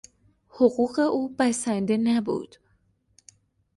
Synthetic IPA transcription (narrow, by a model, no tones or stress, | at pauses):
hoɢuːɢe̞ʔuːbæsænd̪e̞næbṵːd̪̥